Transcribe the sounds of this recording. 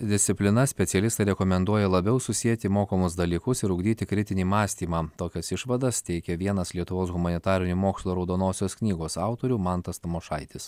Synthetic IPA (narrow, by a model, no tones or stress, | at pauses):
d̪ʲɪsʲt̪sʲɪpʲlʲɪnɐsʲpʲɛt̪ʲɛlʲɪst̪ɐɪɾʲɛkomʲɛnd̪uɔjɛlˠɐbʲɛʊsʊsʲiɛt̪ʲɪmoːkɐmʊsd̪ɐlʲiːkʊsɪɾʊɡd̪ʲiːt̪ʲɪkɾʲɪt̪ʲɪnʲiːmɑːsʲt̪ʲiːmɑːt̪oːkʲɛsɪʃʋɐd̪ɐst̪ʲɛɪkʲɛʋʲiɛnɐslʲiɛt̪ʊʋoːsɣʊmɐnʲɪt̪ɑːɾʲɪnʲumoːkslˠoːɾɐʊd̪oːnoːsʲoːsknʲiːɡoːsɑˑʊt̪oːɾʲuːmɑnt̪ɐst̪ɐmoʃɑɪt̪ʲɪs